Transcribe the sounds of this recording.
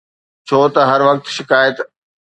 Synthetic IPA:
t͡ɕʰoːt̪ɐɦɐɾʋɐk̚t̪ʃɪkaːjət̪

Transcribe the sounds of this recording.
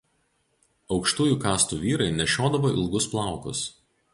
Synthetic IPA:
ɒʊkʃt̪uːjuːkɑːst̪uːʋʲiːɾɐɪnʲɛʃʲoːd̪ɐʋoːʔɪlˠɡʊsplˠɑˑʊkʊ̰s

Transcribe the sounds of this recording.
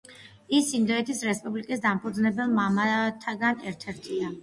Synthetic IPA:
isind̪ɔɛt̪ʰisɾɛspʼublikʼisd̪ampʰud̪znɛbɛlˠmamat̪ʰaɡanɛɾt̪ʰɛɾt̪ʰia

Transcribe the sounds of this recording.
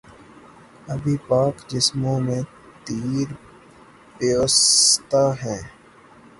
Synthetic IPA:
ɐbʱipaːkd͡ʒɪsmõːmẽ | t̪iːɾ | peoːst̪aɦɛ̃ː

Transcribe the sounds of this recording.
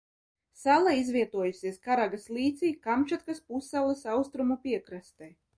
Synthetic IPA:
salˠaizvʲiɛt̪uɔjusiɛskaɾaɡaslˠiːt̪siːkamt͡ʃat̪kaspusalˠɐsawst̪ɾumupiɛkɾast̪ɛj

